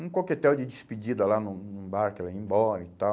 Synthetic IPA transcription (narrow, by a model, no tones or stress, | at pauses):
ũŋkoket̪ːɛwd̪id͡ʒ̪ispid͡ʒ̪id̪alanunubaɾkelɛĩmbɔnit̪a